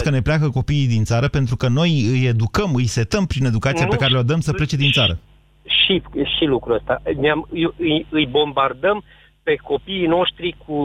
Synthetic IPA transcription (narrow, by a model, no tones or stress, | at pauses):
skəne̞pleakəko̞piːd̪int̪saɾəpe̞nt̪ɾukəno̞jɨje̞d̪ukəmɨjse̞t̪əmpɾine̞d̪ukat̪siape̞kaɾeod̪əmsəple̞t͡ʃed̪int̪saɾə̰ | ʃiʃilukɾuəst̪aneamjɨjɨjbo̞mbard̪əm | pe̞ko̞piːno̞ʃt̪ɾikʰu